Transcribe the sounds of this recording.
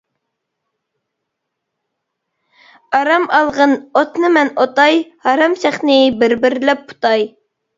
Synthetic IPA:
ɑɾɑmɑlˠʁənot̪nɨmɛnot̪ɑjhɑɾɑmsæχnɪbɪɾbɪɾlɛp̚ːu̥t̪ɑj

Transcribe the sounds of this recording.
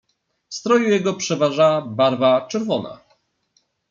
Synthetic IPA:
fst̪ɾɔjujɛɡɔpʂɛvaʐabaɾvat͡ʂɛɾvɔna̰

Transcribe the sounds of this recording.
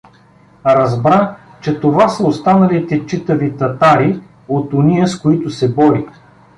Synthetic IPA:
ɾɐzbɾa | t͡ʃɛt̪ovasɐost̪anɐlit̪ɛt͡ʃit̪ɐvit̪ɐt̪aɾi | ot̪oniəskoit̪ʊsɛbɔɾi

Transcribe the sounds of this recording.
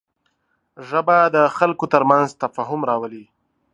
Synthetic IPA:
ʐəbad̪əxalkot̪əɾmanzt̪afɑɦʊmɾɑwəli

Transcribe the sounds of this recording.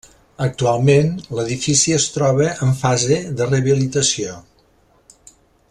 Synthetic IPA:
ək̚t̪ualˠmenləðifisiəst̪ɾɔβəʔəɱfazeðərəβilit̪əsio

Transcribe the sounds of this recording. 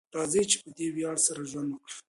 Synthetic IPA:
t̪ɑzet͡ʃe̥pəd̪ewjɑɽsaɾaʒwand̪wəkɽə

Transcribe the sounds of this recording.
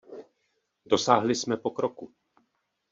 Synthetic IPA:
do̞saːɦlɪsmɛpokɾoku

